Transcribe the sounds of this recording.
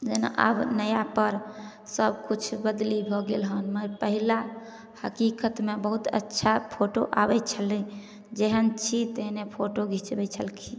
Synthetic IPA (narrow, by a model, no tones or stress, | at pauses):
d͡ʒena̰ʔa̰bnəjapəɾ | səbkut͡ʃʰbəd̪libʱɔɡelɦənməɾpəɦila | həkikət̪mebəɦut̪ə̰tːʃʰapʰoʈo̰ʔa̰bɛt͡ʃʰəli | d͡ʒeɦənt͡ʃʰit̪əɦnepʰoʈoɡʱit͡ʃbɛt͡ʃʰəlkʰi